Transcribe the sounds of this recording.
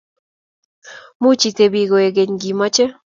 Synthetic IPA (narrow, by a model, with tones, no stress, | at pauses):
mu˦t͡ʃi˨te˨bi˨ɡo˨e˨ɡe˨ɲɡi˨mɔ˦t͡ʃe˦